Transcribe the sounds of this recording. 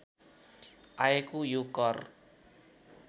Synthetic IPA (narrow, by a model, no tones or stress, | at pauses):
ʔaekujukɔr